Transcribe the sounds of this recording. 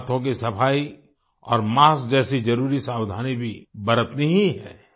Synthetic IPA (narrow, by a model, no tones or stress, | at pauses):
t̪ʰõk̬isɐpʰaːi | ɔːɾmaːsd͡ʒɛːsid͡ʒɐɾuːɾisaːwd̪ʱaːnibʱibɐɾət̪nɐɦĩɦɛ̰ː